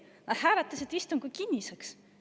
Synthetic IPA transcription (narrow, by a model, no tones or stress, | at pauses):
nɑd̪̥hæːɾɑt̪ːˑɑset̪ːist̪umkujkinʲːiseks